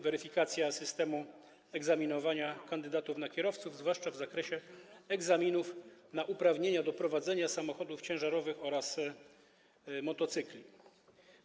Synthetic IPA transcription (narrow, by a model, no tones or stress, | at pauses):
vɛɾɘfʲikat̪sʲjasɘst̪ɛmu | ɛɡzamʲinɔvaɲakand̪ɘd̪at̪ufnakʲɛɾɔft̪suvzvwaʂt͡ʂavzakɾɛɕɛɛɡzamʲinufnaʔupɾavɲeɲad̪ɔpɾɔvad̪zɛɲasamɔxɔd̪uft͡ɕɛ̃w̃ʐaɾɔvɘxɔɾas | mɔt̪ɔt̪sɘklʲi